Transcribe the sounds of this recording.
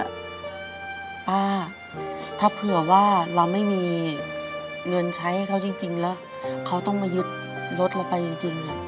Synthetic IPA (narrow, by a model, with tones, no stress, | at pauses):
paː˧˥˩ | t̪ʰaː˥˩pʰɯ˨˩ɐwaː˥˩ɾa˧wma˥˩jmiː˧ | ŋɤ˧nt͡ɕʰa˦˥ha˥˩jkʰa˦˥˩wt͡ɕi˧ŋt͡ɕi˧ŋlɛː˦˥w | kʰa˦˥wt̪ɔ˥˩ŋmaː˧jɯ˦˥t̪̚ | lo˦˥t̪̚la˧˩wpa˧jt͡ɕi˧ŋt͡ɕi˧ŋ